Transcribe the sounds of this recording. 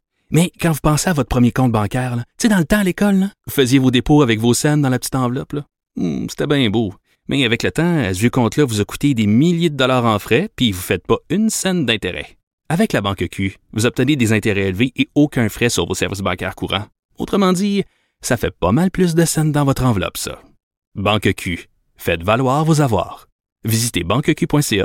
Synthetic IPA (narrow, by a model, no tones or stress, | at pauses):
mɛkɑ̃vupɑ̃seavɔt̪χ̚pχəmjekɔ̃t̪̚bɑ̃kʲɛːʁlʌsed̪ɑ̃lət̪ãalekɔlːavufəzjevod̪epoavɛkvosɛnd̪ɑ̃lapətt͡s̪i̥t̪ɑ̃vlɔplʌ | m̩se̥t̪ɛbɛ̃bo | mʔɛavɛklət̪ãɛsvjøkɔ̃t̪lʌvuzaku̥t̪ed̪emiljed̪əd̪ɔlɑːʁɑ̃fʁɛpɥivufɛt̪̚pʌynsɛnd̪ɛ̃t̪eʁɛ̰ | avɛklabɑ̃kəkʲʰyvuzɔp̚t̪əned̪ezɛ̃t̪eʁɛelveʔeokʲɛ̃fʁɛsyʁvosɛ̰ʁvɪs̬bɑ̃kʲɛ̰ːʁkuːʁɑ̰̃ | o̰t̪χəmɑ̃d̪i | safɛpʌmalplys̬d̪əsɛnd̪ɑ̃vɔt̪χɑ̃vlɔ̰psʌ̰ | bɑ̃kəkʲʰy | fɛt̪valwaːʁvozavwa̰ːʁ | vizit̪ebɑ̃kəkʲypwɛ̃seɑ̰